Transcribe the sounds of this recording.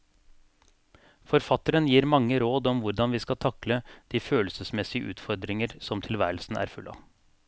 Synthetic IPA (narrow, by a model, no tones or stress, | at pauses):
fɔɾfɑt̪əɾənjiːɾmɑŋːəɾoːd̪ɔmʋʊɾd̪ɑnʋiːskɑlt̪ʰɑkləd̪̥iːføːlsəsmɛsɪəʔʉ̰ːt̪fɔɾd̪ɾɪŋəɾsɔmt̪ʰɪlʋæ̰ːɾəl̩sn̩ʔæ̰ːɾfʉlʔɑ̰